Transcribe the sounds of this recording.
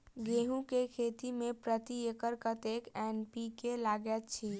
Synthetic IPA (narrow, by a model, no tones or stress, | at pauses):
ɡeɦũkekʰet̪imẽpɾət̪iekəɾkət̪ekenpikelaɡɛt̪t͡ʃʰi